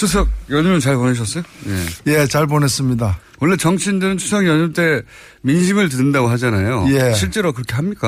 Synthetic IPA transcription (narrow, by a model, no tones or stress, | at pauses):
t͡ɕʰus̬ʰʌɡ̚jʌɲʌmɯnt͡ɕaɭpone̞ɕ̬ʰʌs͈ʌjojḛje̞t͡ɕaɭp̬one̞s͈ɯmɲida | wʌɭːet͡ɕʌŋɕʰindɯɾɯntʰusʰʌɡjʌɲʌmt͈e̞ | minɕʰimɯɭtɯdɯndaɡoɦad͡ʑanajoje̞ɕʰiɭt͡ɕ͈e̞ɾokɯɾʌkʰe̞ɦamɲik͈a